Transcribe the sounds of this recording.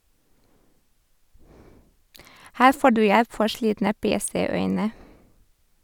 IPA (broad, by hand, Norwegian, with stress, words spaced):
ˈhæːɾ ˈfoː ˈɖʉː ˈjɛp ˈfɔɾ ˈʃliːtnə ˈpeːˌseːˌœʏnə